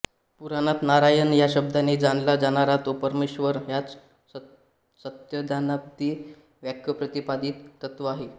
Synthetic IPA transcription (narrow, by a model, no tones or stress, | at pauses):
puɾanat̪naɾajənjaɕəb̚d̪ʱaned͡zaɳlad͡zaɽ̃aɾat̪opəɾmeɕʋəɾɦjat͡s | sət̪jəd̪janat̪ːiː | ʋjakʰjəpɾət̪ipad̪iːt̪t̪ət̪ʋaɦe